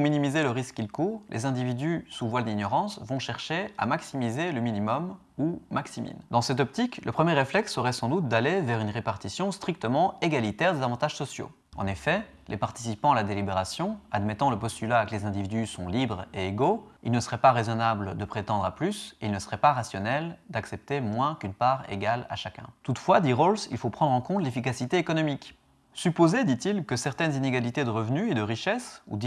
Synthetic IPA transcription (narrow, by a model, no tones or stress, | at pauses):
minimizeləʁiskːilkuʁlʔḛzɛ̃d̪ivid̪ysuvwald̪injɔʁɑ̃svɔ̃ʃɛʁʃea̰maksimizeləminimɔm | umaksimḭnd̪ɑ̃sɛt̪̬ɔp̚t̪iklʔəpχəmjeʁeflɛksːɔʁɛsɑ̃d̪ut̪̚d̪alevɛʁynʁepaʁt̪isjɔ̃st̪χik̚t̪əmɑ̃eɡalit̪ɛʁd̪ezavɑ̃t̪aʒ̥sɔsjo̰ | ɑ̰̃nefɛ | lʔḛpaʁt̪i̥sipɑ̃alad̪elibeʁasjɔ̃ad̪mɛt̪ɑ̃ləpɔst̪ylaːkəlezɛ̃d̪ivid̪ysɔ̰̃libʁeeɡoḭlnəsəʁɛpaʁezɔnabld̪əpχet̪ɑ̃d̪ʁaplyseilnəsəʁɛpaʁasjɔnɛld̪aksɛp̚t̪emwɛ̃kynpaʁḛɡala̰ʃakʲɛ̰̃t̪ut̪fwad̪iʁolsḭlfopχɑ̃d̪ʁɑ̃kɔ̃t̪lefik̬asit̪eːkɔnɔmik | sypozed̪it̪ilkəsɛʁt̪ɛnzineɡalit̪ed̪əʁəvnyed̪əʁiʃɛsṵd̪